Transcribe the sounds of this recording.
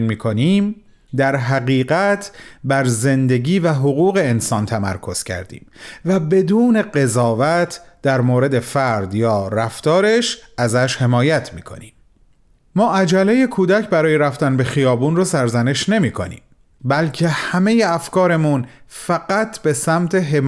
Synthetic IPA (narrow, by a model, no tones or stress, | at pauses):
nmiːkʰo̞niːm | d̪æɾɦæɣiːɢæt̪ʰbæɾze̞nd̪e̞ɟiːvæɦoɣuːɣe̞ːnsɒːnt̪ʰæmæ̰ɾkʰo̞z̥cʰæ̰ɾd̪ḭːmvæbe̞d̪uːne̞ɢe̞zɒːvæt̪ʰd̪̥æɾmoːɾe̞d̪e̞fæɾd̪jɒːɾæft̪ɒːɾe̞ʃʔæzæʃhe̞mɒːjæt̪ʰmiːkʰo̞̰niːm | mɒːʔæd͡ʒæleje̞kʰuːd̪æcʰbæɾɒːjeɾæft̪ænbe̞xijɒːbuːnrosæɾzæne̞ʃne̞miːkʰo̞nḭːm | bælcʰe̞hæme̞je̞æfkɒːɾe̞munfæɢæt̪ʰbe̞sæmt̪ʰe̞ɦem